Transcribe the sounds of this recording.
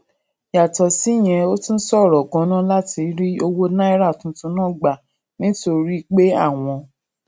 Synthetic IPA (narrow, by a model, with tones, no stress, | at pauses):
ja˨tɔ˨si˨˦˨j̃ɛ̃˧o˦tũ˦n̩˦sɔ˦˨ɾɔ˨ɡɔ̃˨˦nã˦la˦ti˧˦ɾi˦o˧wo˦nã˦i˦ɾa˦˨tũ˧˦tũ˧˦nãː˦˨ɡ͡ba˨ | nĩ˦to˧ɾi˦k͡pe˦a˦˨w̃ɔ̃˧